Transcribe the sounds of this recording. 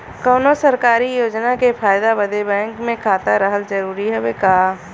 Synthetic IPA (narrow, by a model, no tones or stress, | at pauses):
kɔːnosəɾkaːɾijoːd͡ʒnakepʰaːjd̪abəd̪ebɛ̃ːŋkmẽkʰaːt̪aɾəɦəld͡ʒəɾuːɾiɦɛbekaː